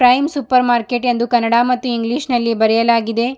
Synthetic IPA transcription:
pɾɐjmsupɐɾmaːɾkeʈend̪ukɐnːɐɽaːmɐt̪ːuiŋɡliʂnɐlːibɐɾɛjɐlaːɡid̪e̞

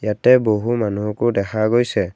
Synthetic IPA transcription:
jatɛboɦumanuɦɔkodɛkʰaɡojsɛ

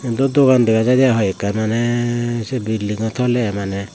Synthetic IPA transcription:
d̪ɔd̪ɔɡandɛkad͡ʒad̪ɛjaɦɔjkaɾmanɛsɛbiliŋɔt̪ʰɔlɛamanɛ

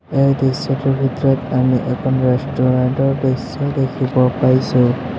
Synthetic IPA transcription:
ejdesɔtubʱitɹɔtamiʔɛkʰɔnɹastɔɹantɔɹdesɔdekʰibɔpaɹjsʊ̃

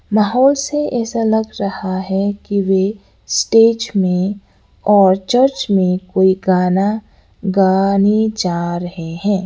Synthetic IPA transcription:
maːɦɔːlseɛːsalɐɡɾɐhaɦɛkiʋe | sʈeːʈmẽ | ɔːɾt͡ʃəɾt͡ʃmẽkoːiɡaːna | ɡaːnid͡ʒaːɾɐɦeɦɛ̃ː

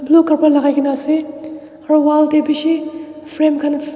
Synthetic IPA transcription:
blukʰaɾpaɾlaɡajkʰinase | ɐɾowaltebisipʰɾemkʰan

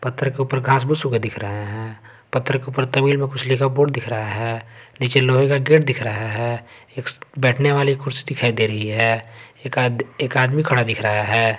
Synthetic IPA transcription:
pɐt̪ːɾəkeupəɾɡʱãːs̬bʊsuked̪ɪkʰɾəɦeɦɛ̃ː | pɐt̪ːɾəkeuːpəɾt̪ɐmiːlmẽkʊt͡ʃʰlikaboːɽd̪ɪkʰɾəɦaɦɛː | niːt͡ʃeloːɦekaɡeːʈ̚d̪ɪkʰɾəɦaɦɛː | eːkbɛːʈʰneʋaːlikʊɾsi̥d̪ɪkʰaːid̪eːɾɐɦiɦɛːeːkeːkaːd̪mikʰɐɽad̪ɪkʰɾəɦaɦɛː

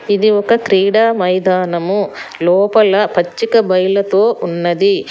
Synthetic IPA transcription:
id̪iɔkɐtɾiːɽaːmɐjd̪aːnɐmulɔːpɐlɐpɐt͡ʃːikɐbɐjlɐt̪o̞ːʔunːɐd̪i

